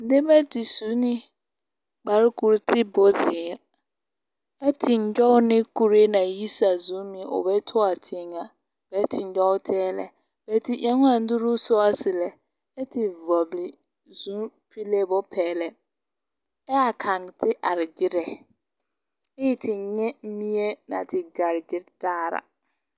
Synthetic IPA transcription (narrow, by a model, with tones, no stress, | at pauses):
n̩˦dɪ˦bɛ˦tʰi˨su˨˦nĩ˦ | k͡pa˨ɾkʰu˦ɾtʰɪ˦bɔ˦zɪː˨ɾ | ɛ˦tʰɪ˨ɲ̩˦ɟᶣɔ˦wnɪ̃˦kʰu˨ɾe˦nã˨ji˦sa˨zũ˨˦mĩ˨ɔ̰˨bɛ˦tʰʊ˦a˨tʰɪ̃˨ŋã˨ | b̥ɛ˨˦tʰɪ˨ɲ̩˦d͡ʒᶣɔ˦wtʰɛː˦lɛ̰˨ | bɛ˨˦tʰi˦ʔã˨˦ŋʊ̃˦ã˨n̩˦dʊ˦ɾu˦sʊ˦a˦sɪ˨lɛ˨ | ɛ˦tʰɪ˨vɔ˨blɪ˨ | zũ˦pʰi˦le˦bɔ˦pʰɛː˨lɛ˨ | ɛ˦a˨kʰa˨ŋtʰɪ˦ʔa˨ɾɪ˨d͡ʒɪ˦ɾɛ˨ | ɪ˦jɪ˨tʰɪ˨ɲɛ̃˦mĩ˦e˦nã̰˨tʰɪ˨ɡa˨ɾɪ˨d͡ʒɪ˦ɾtaː˦ɾa̰˨